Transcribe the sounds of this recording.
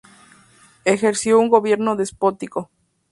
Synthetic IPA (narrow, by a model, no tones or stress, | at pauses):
exeɾsjouŋɡoβje̞ɾnoðespot̪iko